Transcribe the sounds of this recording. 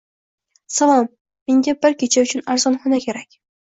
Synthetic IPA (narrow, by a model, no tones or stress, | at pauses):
salˠɒmː | e̞ŋɡʲabɪɾkʲʰet͡ʃʰaʊt͡ʃʰʊnaɾzɒnχɒnakʲʰe̞ɾakʲ